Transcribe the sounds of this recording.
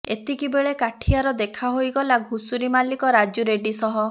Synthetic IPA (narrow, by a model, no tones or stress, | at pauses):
et̪ikibeɭekaʈʰiaɾɔd̪ekʰaɦojɡɔlaɡʱusuɾimalikɔɾad͡ʒuɾeɖisɔɦɔ